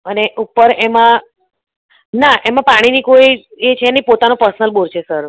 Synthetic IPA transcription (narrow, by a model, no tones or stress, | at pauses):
əneʔupəɾemã | naʔemãpaɽ̃inikoiet͡ʃʰeːnəipot̪anõpəɾsənəlboɾt͡ʃʰesəɾ